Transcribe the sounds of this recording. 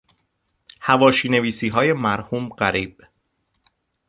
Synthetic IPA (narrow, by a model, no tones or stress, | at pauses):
hævɒːʃiːne̞viːsiːɦɒːje̞mæɾhuːmɢæɾiːb̥̚